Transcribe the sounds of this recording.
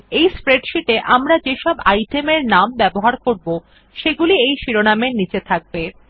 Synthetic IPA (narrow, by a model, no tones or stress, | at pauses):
ejspɾeɖʃiʈeʔamɾad͡ʑeʃɔbajʈemeɾnambɛboɦaɾkoɾbo | ʃeɡuliejʃiɾonamenit͡ɕet̪ʰak̚be